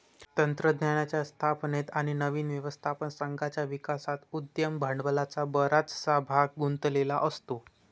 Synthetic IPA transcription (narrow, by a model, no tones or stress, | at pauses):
t̪ənt̪ɾəd̪njanjat͡ɕjast̪ʰapnet̪aɽ̃inəʋiːnʋjəʋəst̪ʰapənsəŋɡat͡ɕjaʋikasat̪ud̪jəmbʱəɳɖbəlat͡sabəɾat͡ssabʱaɡ̚ɡunt̪lela̰ʔəst̪o